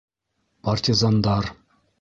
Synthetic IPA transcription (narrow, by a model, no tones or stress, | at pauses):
partʲizand̪ɑr